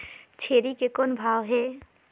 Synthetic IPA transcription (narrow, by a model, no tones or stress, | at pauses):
t͡ʃʰeːɾikekonbʱaːʋɦɛː